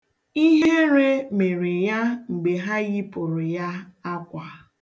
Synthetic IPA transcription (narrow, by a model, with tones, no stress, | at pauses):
i˦ɦe˦ɾe˦me˨ɾɪ˨ja˦ŋ͡m̩˨ɡ͡be˨ɦa˦ɣi˦pʊ˨ɾɪ˨ja˦a˦kʷa˨